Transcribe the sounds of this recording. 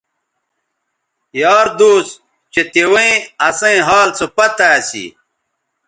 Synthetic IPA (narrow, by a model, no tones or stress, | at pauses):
jaːɾd̪oːs | t͡ɕet̪ewɐĩɐsɐ̃ĩɦaːlt͡sopɐt̪aːsḭ